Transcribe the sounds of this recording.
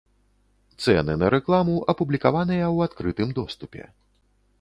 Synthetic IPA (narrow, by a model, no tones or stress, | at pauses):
t̪sɛ̰nɨnɐɾɛklˠamuʔɐpublʲikavanɨjɐwat̪kɾɨt̪ɨmd̪ɔst̪upʲɛ̰